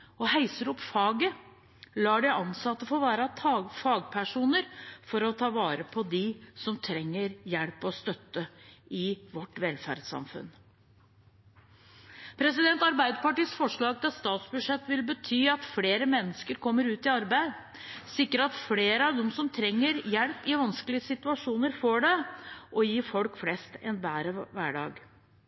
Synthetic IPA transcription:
ɔhæɪsəɾɔpːfɑːɡə | lɑːɖɛʔɑnsɑt̪ːəfɔʋæːɾɑt̪ʰɑːɡfɑːɡpʰæʂuːnəɾfɔɾɔt̪ʰɑːʋɑːɾəpʰɔd̪ɪsɔmt̪ʰɾɛŋːəɾjɛɽpɔst̪œt̪ːəɪʋɔʈːʋɛlfæ̰ɾd̪sɑ̰mfʉ̰n | pʰɾɛsɪd̪ɛnt̪ɑɾbæɪd̪əpɑʈiːsfɔʂɭɑːɡ̚t̪ɪlst̪ɑːt̪sbʉʂɛt̪ːʋɪlbət̪ʰyːɑt̪fleːɾəmɛnːəskəɾkʰɔmːəɾʉːt̪ɪɑɾbæɪd̪ | sɪkːəɾɑt̪fleːɾəɑʋd̪ɔmsɔmt̪ʰɾɛŋːəɾjɛlpɪʋɑnsklɪəsɪt̪ʉɑʂuːnəɾfɔɖɛʔɔjiːfɔlkflɛst̪ɛ̰nbæːɾəʋæːɖɑ̰ːɡ

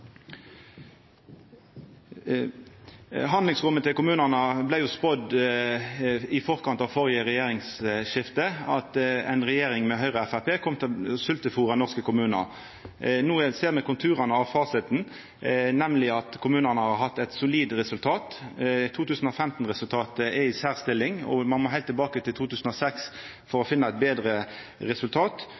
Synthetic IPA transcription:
ɦɑnd̪lɪŋsʁʊmːət̪ʰɪlkʊmʉːnənəblæɪjʊːspɔd̪ | ɪfɔʁkɑnt̪ɑʋfɔʁɪəɾɛjeːɾɪŋsʃɪft̪əɑt̪ɛ̰ɪnʁɛjeːɾɪŋmɛɦœʏʁəæfæpeːkʰɔmt̪ʰɪlsʉlt̪əfuːʁɑnɔʁskəkʊmʉːnə̰ʁ | nuːjæseːʁmɛkʊnt̪ʰʉːʁɑnəɑʋfɑːsɪt̪n̩ | nɛmlɪɑt̪kʰʊmʉːnənəhɑɾɦɑt̪ːɛɪt̪sʊliːd̪ɾɛsʉlt̪ʰɑːt̪t̪ʰuːt̪ʉːsn̩ɔfɛmt̪n̩ʁɛsʉlt̪ʰɑːt̪əɛɪsæːʁst̪ɪlːɪŋɔ̰mɑnmoːɦæɪt̪ːɪlbɑːkət̪ɪlt̪ʰuːt̪ʉːsn̩ɔsɛks | fɔɾɔfɪnːɑɛt̪̚beːd̪ʁə | ʁɛsʉlt̪ʰɑːt̪

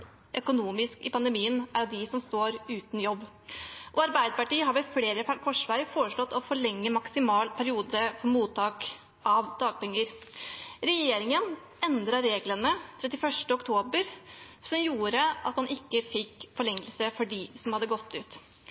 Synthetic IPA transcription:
ʔœkʊnuːmɪskɪpʰɑnd̪əmiːənæɾjʊd̪ɪsɔmst̪oːɾʉːt̪n̩jɔbː | ʔɔɑɾbæɪd̪əpɑʈiːəɦɑɾʋɛfleːɾəpkʰɔʂʋæːɾəfoːɾəʂlɔt̪ːɔfɔɭɛŋːəmɑksɪmɑːlpʰæɾɪuːd̪əfɔɾmuːt̪ʰːɑːk | ʔɑʋd̪̥ɑːɡ̥̚pɛŋːəɾ | ɾɛjeːɾɪŋən | ɛnd̪ɾɑɾeːɡlənət̪ʰɾɛt̪ːɪfœʂʈəɔkt̪ʰoːbəɾsɔmjuːɾəʔɑt̪hɑnʔɪkːəfɪkːfɔɭɛŋːəlsəfɔɖɪsɔmhɑd̪ːəɡɔt̪ʰːʉːt̪

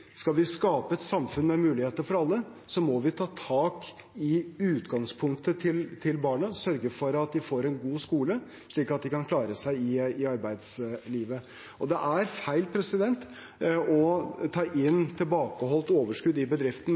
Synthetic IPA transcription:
skɑlʋɪskɑːpəɛt̪sɑmfʉnmɛmʉːlɪheːt̪əɾfɔɾɑlːə | sɔmɔʋɪt̪ʰɑːt̪ʰɑːk | ɪʉːt̪ɡɑŋspʰʊŋk̚t̪ət̪ʰɪlt̪ʰɪlbɑːɳəsœɾɡəfɔɾɑt̪̚d̪ɪfoːɾɛnɡuːskuːlə | ʂɭiːkɑt̪̚d̪ɪkʰɑnkʰlɑːɾəsæɪɪɪɑɾbæɪd̪sliːʋə | ʔɔd̪ɛʔæɾfæɪlpʰɾɛsɪd̪ɛnt̪ | ɔt̪ʰɑːʔɪnːt̪ʰɪlbɑːkəɦɔlt̪oːʋəʂkʉd̪ɪbəd̪ɾɪft̪n̩

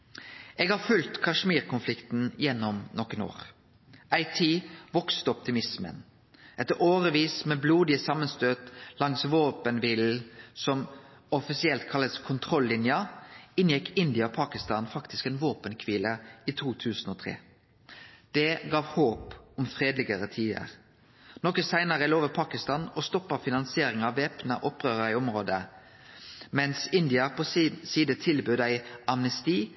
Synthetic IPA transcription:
ʔeːɡhɑːfʉlt̪kʰɑʂmiːʁkʰʊnflɪkt̪n̩jɛnːɔmnɔkəno̰ːʁ | æɪt̪ʰiːʋɔkst̪əɔp̚t̪ɪmɪsmə̰n | ʔɛt̪ːəoːʁəʋiːsmeːbluːd̪ɪəsɑmənst̪øːt̪lɑŋsʋoːpənʋiːl̩sɔm | ɔfɪsɪɛlt̪kʰɑlːəskʰʊnt̪ʰʁɔlːɪnjəɪnjɛkːɪnd̪ɪəɔpʰɑːkɪst̪ɑːnfɑkt̪ɪskɛːnʋoːpənkʰʋiːləiːt̪ʰuːt̪ʰʉːsnɔːt̪ʰʁḛː | d̪̥ɛɡɑːʋhoːpɔmfʁeːd̪lɪɡəɾət̪ʰiːd̪ɪə̰ʁ | nɔkəsæɪnəʁəɛloːʋəpʰɑːkɪst̪ɑːnɔst̪ɔpːəʁfɪnɑnsɪeːɾɪŋɑʋʋːeːpnəʔɔpːʁøːʁəɾɪɔmʁoːd̪ə | mɛnsɪnd̪ɪəpʰɔsiːd̪ət̪ʰɪlbʉd̪æɪɑmnəst̪iː

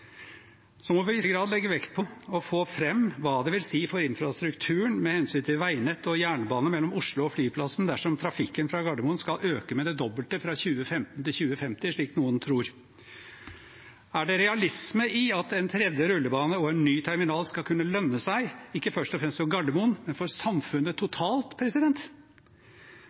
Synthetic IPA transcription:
sɔmɔʋɪsəɡɾɑːd̪lɛɡːəʋɛkt̪̚pʰɔɔfoːfɾɛmːʋɑːd̪ɛʋɪlsiːfɔɾɪnfɾɑst̪ɾʉkt̪ʰʉːəɳmɛhɛnsyːnt̪ʰɪlʋæɪnɛt̪ːɔjæːɳəbɑːnəmɛlːɔmʊʂlʊɔflyːpʰlɑsn̩d̪æʂɔmt̪ʰɾɑfɪkːənfɾɑɡɑɖ̪əmʊnskɑlʔøːkəmɛd̪ɛd̪ɔbəlt̪əfɾɑçʉːəfɛmt̪n̩t̪ɪlçʉːəfɛmt̪ɪʂɭiːknuːənt̪ʰɾuːɾ | æɖɛɾɛɑlɪsməʔɪɑt̪ɛnt̪ʰɾɛd̪jəɾʉlːəbɑːnəɔɛnːyːt̪ʰɛɾmɪnɑːlskɑlkʉnːəlœnːəsæɪɪkːəfœʂʈɔfɾɛmst̪fɔɾɡɑɖ̪d̪əmʊnmɛnfɔɾsɑmfʉnːət̪ʰʊt̪ʰɑːlt̪pʰɾɛsɪd̪ɛnt̪

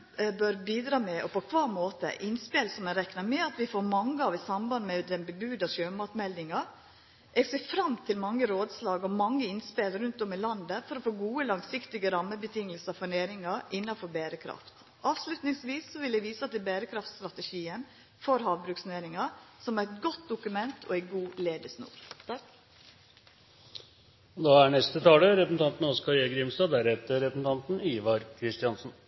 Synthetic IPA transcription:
bœɾbiːd̪ɾɑːmɛʔɔpʰɔkʰʋɑːɾmoːt̪ə̰ʔɪnspeːlsɔmɛɾɛknɑɾmɛɑt̪ʋɪfoːɾmɑŋːəɑʋɪsɑmbɑnd̪mɛd̪ɛnbəbʉːd̪ɑʃøːmɑːt̪mɛld̪ɪŋɑ | ʔɛɡseːfɾɑmt̪ʰɪlmɑŋːəɾoːd̪slɑːɡɔmɑŋːəɪnspeːlɾʉnt̪ɔmɪlɑnd̪əfɔɾɔfoːɡuːəlɑŋsɪkt̪ɪɡəɾɑmːəbət̪ʰɪŋːəlsəfɔɳeːɾɪŋɑɾɪnːɑfɔɾbeːɾəkʰɾɑ̰ft̪ | ʔɑːʋslʉt̪nɪŋsʋiːsːɔʋɪld̪ɛɪʋiːsəɑt̪̚d̪ɛbeːɾəkʰɾɑft̪st̪ɾɑt̪əʃiːən | fɔɾɦɑːʋbɾʉːksneːɾɪŋɑsɔmææɛt̪ɡɔt̪̚d̪ʊkʉmɛnt̪ʰɔ̰æɪɡuːleːd̪əsnṵːɾ | d̪ɑːæɳɛst̪ət̪ʰɑːləɾɛpɾəsn̩t̪ʰɑnt̪n̩ɔskɑjeːɡɾɪmst̪ɑːd̪æɾɛt̪əɾɛpəsn̩t̪ɑnt̪n̩iːʋɑɾkʰɾɪst̪ɪɑnsn̩

